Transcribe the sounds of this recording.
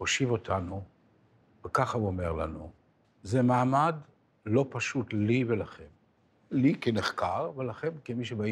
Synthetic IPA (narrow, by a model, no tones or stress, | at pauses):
hoʃivo̞tʰanu | vekaχauome̞ʁla̰nu | zemaːmad | lo̞paʃut̪livelaχe̞m | likeneχkaʁvelaχe̞nkemiʃebai